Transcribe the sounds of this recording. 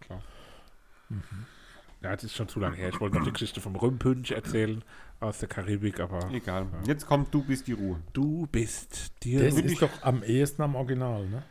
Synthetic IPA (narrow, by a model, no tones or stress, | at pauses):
kʰlaː | m̩hm̩ | jaːdsɪstʃoːnt͡sulaŋəheːɐɪçvɔltnɔχd̥iːɡə̥ʃɪçtəfɔmʁʏmpʰʏnçɛɐt͡sɛːlənʔaʊsd̥eːɐkʰaʁiːbɪkʔaːbɐeɡ̥aːlaːjɛt͡skʰɔmt̚d̥uːbɪstd̥iːʁuːəd̥uːb̥ɪstd̥iːsɪd̥ɔχʔamʔeːɐstn̩amɔɐɡinaːlnə